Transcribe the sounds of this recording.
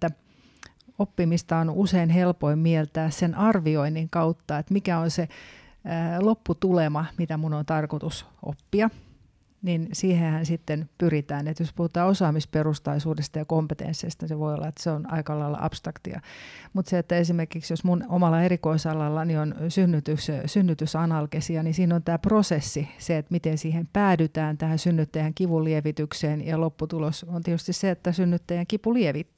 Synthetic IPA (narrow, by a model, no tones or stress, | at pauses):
t̪ːæ | opːimist̪ɑonuseinhelpoimmielt̪æːssenʔɑrʋioiniŋkɑut̪ːɑet̪mikæonse | lopːut̪ulemɑmit̪æmunont̪ɑrkot̪usʔo̰pːiɑ | ninsiːhehænsit̪ːenpyrit̪æːnet̪jospuhut̪ɑːosɑːmisperust̪ɑisuːdest̪ɑjɑkompet̪ḛnsːest̪ɑseʋoio̰lːɑet̪ːseonɑ̰ikɑlɑilːɑ̰ʔɑ̰pst̪rɑkt̪ḭɑ̰mut̪seet̪ːæesimerkiksjosmunomɑlːɑeɾikoisɑlːɑlːɑnionsynːyt̪yssynːyt̪ysɑnɑlkesiɑnisiːnont̪æːprosesːiseet̪mit̪ensiːhempæːdyt̪æːnt̪æhænsynːyt̪ːæjæŋkiʋulieʋit̪ykseːnjɑlopːut̪ulosont̪iet̪yst̪isseet̪ːæsynːyt̪ːæjæŋkipulieʋit̪ː